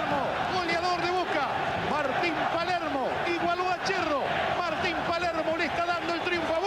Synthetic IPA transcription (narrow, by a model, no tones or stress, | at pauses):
ɾmo | ɣoljaðoɾðeβuka | maɾt̪impaleɾmo | iɣwaloat͡ʃero | maɾt̪impaleɾmolest̪aðand̪oelt̪ɾiuɱfoaβ